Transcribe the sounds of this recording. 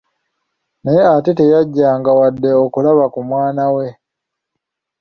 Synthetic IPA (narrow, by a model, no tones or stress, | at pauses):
nejeatete̞jaɟːaːŋɡawadːe̞okulaβakumwaːnawe̞